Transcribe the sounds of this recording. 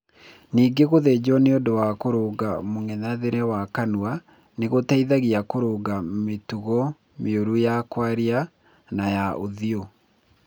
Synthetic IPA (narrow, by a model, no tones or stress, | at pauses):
niːɡeɣoðɛd͡ʑɔneodowakoɾoːɡamoŋɛɲaðeɾɛwakanua | neɣotaiðaɣiakoɾoːɡametuɣɔ | meoɾujakwaɾia | najaʔoðio